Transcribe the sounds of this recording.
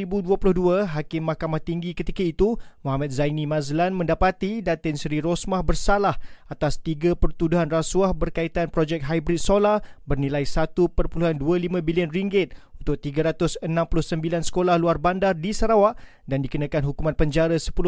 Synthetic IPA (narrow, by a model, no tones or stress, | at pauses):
ibuduəpulʊhduəɦakɪmːahkamaht̪iŋɡikət̪ikait̪umoɦamat̪̚zajnĩmãzlanmə̃ndapat̪idat̪ɪnsɾiɾɔsmahbərsalahat̪ast̪iɡapərt̪uduɦanrasuahbərkait̪anpɾod͡ʒɛk̚ɦajbɾit̪̚solahbərnilajsat̪upərpuluɦanduəlimãbiliənriŋɡɪt̪̚unt̪ʊk̚t̪iɡəɾat̪ʊsənãmpulʊhsəmbilansə̥kolahluarbandardisaɾawaʔ | dandikunãkanɦukumãnpəɲd͡ʒaɾasə̥pulʊ